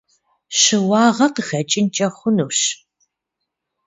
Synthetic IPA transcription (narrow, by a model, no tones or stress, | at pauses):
ɕɨwɑːʁɐqxɐt͡ʃʼɪnt͡ʃʼɐχʷʊnuːɕ